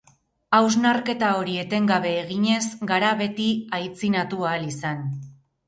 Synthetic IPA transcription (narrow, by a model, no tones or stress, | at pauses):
awznaɾke̞t̪ao̞ɾie̞t̪e̞ŋɡaβe̞ːɣiɲe̞sɡaɾaβe̞t̪iajt͡sinat̪uaːlisan